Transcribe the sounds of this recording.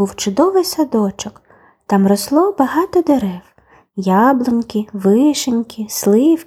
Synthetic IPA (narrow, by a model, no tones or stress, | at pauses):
uwt͡ʃʊd̪ɔʋɪjsɐd̪ɔt͡ʃɔk | t̪ɑmrɔslˠɔbɐɦɑt̪ɔd̪eɾɛw | jɑblˠɔnʲkʲɪʋɪʃenʲkʲʰɪslˠɪw